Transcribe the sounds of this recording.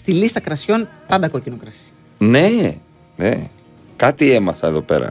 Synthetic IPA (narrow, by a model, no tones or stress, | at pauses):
st̪ilist̪ɐkɾɐsço̞npɐnd̪ɐkocinokɾɐsi̥ | ne̞ | nḛ | kɐt̪ie̞mɐθɐeðo̞pe̞̰ɾɐ̰